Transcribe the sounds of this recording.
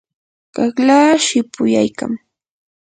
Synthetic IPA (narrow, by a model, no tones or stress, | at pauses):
ɢ̥ɑχlaːʃɪpʊjajka̰ŋ